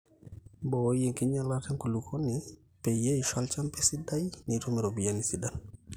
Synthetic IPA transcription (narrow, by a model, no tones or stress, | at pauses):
bojeŋkiɲalateŋkulukʰoni | pejeiʃalt͡ʃampesidajnitomiɾobijanisidan